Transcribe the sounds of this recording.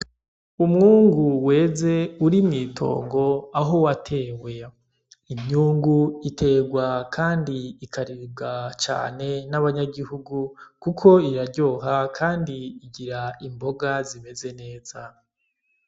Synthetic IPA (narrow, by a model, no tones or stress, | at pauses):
umŋuːŋɡuwe̞ːze̞uɾimŋiːtʰo̞̰ːŋɡo̞aɦo̞watʰe̞ːwe̞ | imɲuːŋɡuitʰe̞ːɡwakʰaːndiikʰaɾib̚ɡat͡ʃa̰ːne̞naβaɲaɡihuɡukukʰo̞iɾaɾɟo̞ːɦakʰaːndiːɟiɾaimbo̞ɡazime̞ze̞ne̞ːz̥a